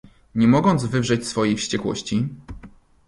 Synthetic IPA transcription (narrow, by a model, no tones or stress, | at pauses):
ɲɛmɔɡɔnd̪zvɘvʐɛt͡ɕsfɔjejfɕt͡ɕɛkwɔ̰ɕt͡ɕi